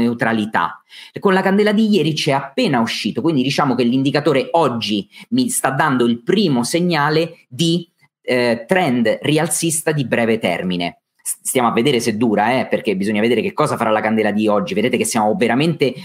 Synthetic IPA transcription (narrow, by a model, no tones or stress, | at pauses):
eut̪ɾalit̪a̰konlakand̪ɛːlad̪ijɛːɾit͡ʃɛapːeːnauʃːiːt̪okwind̪id̪it͡ʃaːmok̟elːind̪ikat̪oːɾeɔd͡ʒːimist̪ad̪ːand̪oilpɾiːmoseɲːaːled̪i | t̪ɾɛnd̪rialt̪sist̪ad̪ibɾɛːvet̪ɛ̰rminḛ | sst̪jaːmoavːed̪eːɾesed̪ːuːɾaɛperk̟ebizoɲːaved̪eːɾekekːɔːzafaɾalakand̪ɛːlad̪iɔd͡ʒːived̪eːt̪ekesːjaːmoveɾament̪e